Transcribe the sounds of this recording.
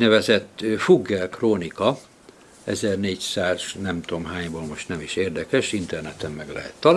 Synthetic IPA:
nɛvɛzɛt̪ːfuɡːɛlkroːnikɒ | ɛzɛrneːcsaːz̥nɛmt̪oːmɦaːɲboːlmo̞ʃt̪nɛmiʃeːrd̪ɛkɛʃint̪ɛrnɛt̪ɛmːɛɡlɛ̰ɦɛ̰t̪ːɒl

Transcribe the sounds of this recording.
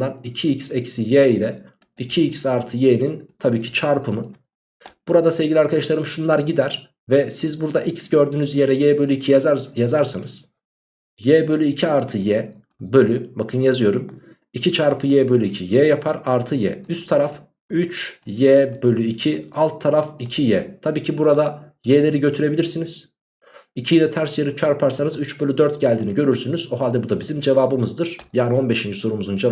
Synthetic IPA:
anicʰiicsɛcsijɛːilʲɛ | icʰiicsaɾt̪ʰɯjeːnint̪ʰabiːcʰi̥t͡ʃʰaɾpʰɯmɯ | b̥uɾad̪aseɛvɟʲilʲiaɾkʰad̪aʃlˠaɾɯmʃunlˠaɾɟid̪æɾ̥ | vɛsizbuɾd̪aʔicsɟø̞ɾd̪yːnyzje̞ɾɛjɛːbø̞lʲyicʰijazaɾsɯnɯz̥ | jɛːbø̞lʲyicʰiaɾt̪ʰɯjɛ | bø̞lʲybakʰɯnjazɯjo̞ɾum | icʰit͡ʃʰaɾpʰɯjɛːbø̞lʲyicʰijɛjapʰaɾaɾt̪ʰɯjɛ̰yst̪ʰːaɾaf | yt͡ʃjɛːbø̞lʲyicʰialˠt̪ʰːaɾaficʰijɛt̪ʰabiːcʰibuɾad̪a | jelʲe̞ɾiɟø̞t̪ʰyɾebilʲiɾsiniz̥ | icʰijd̪ʲɛt̪ʰæɾsjeɾit͡ʃʰaɾpʰaɾsanɯzyt͡ʃbø̞lʲyd̪øɾt̪ɟælʲd̪iːniɟø̞ɾyɾsynyzoɦalʲd̪ɛbud̪abizimd͡ʒe̞vaːbɯmɯzd̪ɯɾ̥jaːnio̞nbe̞ʃind͡ʒiso̞ɾumuzund͡ʒe

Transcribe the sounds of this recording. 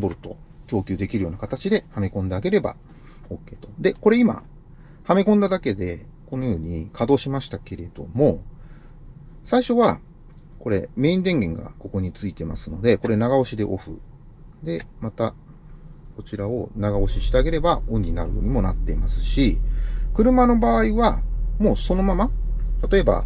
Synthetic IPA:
mbo̞ɾɯ̟t̪o̞̰kʲjo̞ːkʲɨːd̪e̞kʲiɾɯ̟jo̞ːnakat̪at͡ɕid̪e̞hamekõ̞nd̪e̞aɡe̞ɾe̞ba̰ | o̞kːe̞ːt̪o̞d̪e̞ko̞ɾe̞ima̰ | hamekõ̞nd̪ad̪ake̞d̪e̞ | konojɯːɲ̟ikʰad̪o̞ːɕimaɕi̥t̪ake̞ɾe̞d̪̥o̞mo̞ | saiɕo̞βa | ko̞ɾe̞̰me̞ːĩnd̪ẽ̞ŋɡẽ̞ŋɡa̰ko̞ko̞ɲ̟it͡sɨit̪e̞ma̰sɨno̞d̪e̞ko̞ɾe̞naɡao̞ɕid̪e̞ʔo̞ɸɯ̟̰ | d̪e̞mat̪a | ko̞t͡ɕiɾaonaɡao̞ɕiɕi̥t̪eaɡe̞ɾe̞baõ̞ɲ̟ɲina̰ɾɯ̟joːɲ̟imo̞nat̪ːe̞imasɨ̥ɕikɯ̟ɾɯ̟mano̞baːiβamo̞ːso̞no̞mama | t̪at̪o̞e̞ba̰

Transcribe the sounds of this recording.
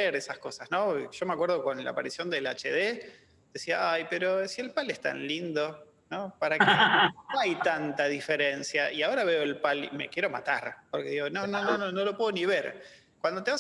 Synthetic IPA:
eɾesasko̞sasno̞ʒ̥o̞meakwe̞ɾð̞oko̞nla̰ːpaɾisjo̞nd̪ela̰t͡ʃḛðe | ð̥esiaajpeɾo̞sielpalest̪a̰nlind̪o̞ | no̞paɾakenoajt̪ant̪aðifeɾensjaʔiaoɾaβe̞oelpalḭme̞̰kje̞ɾo̞ma̰t̪a̰ɾpoɾke̞ðiɣo̞no̞nonononolo̞pweðoniβ̞eɾ | kwand̪ot̪eβa

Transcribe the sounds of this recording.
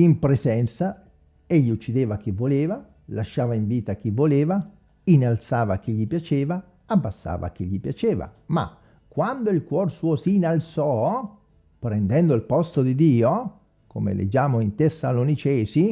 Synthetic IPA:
impɾesɛnt̪sa | eʎːiut͡ʃːid̪eːvak̟ivːoleːva | laʃːaːvaiɱviːt̪ak̟ivːoleːva | inalt̪saːvak̟iʎːipjat͡ʃeːva | abːasːa̰ːva̰k̟iʎːipjat͡ʃeːva̰ma̰ | kwand̪oilkwɔrsuːosiːnalt̪sɔ | pɾɛnd̪ɛnd̪oilpɔst̪od̪id̪iːo | komḛlʔḛd͡ʒaːmoint̪esːalonit͡ʃɛːsi

